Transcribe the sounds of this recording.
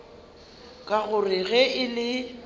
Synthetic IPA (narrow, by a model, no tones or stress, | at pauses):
kʼaɣʊrɪɣɛʔɪlɪ